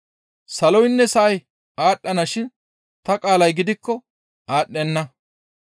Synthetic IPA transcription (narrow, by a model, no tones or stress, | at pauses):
sɐlɔjnːɛsɐʔɐj | ʔaːɗːɐnɐʃɪn | t̪ɐkʼaːlɐjɡɪd̪ɪkːɔ | ʔaːɗːɛnːɐ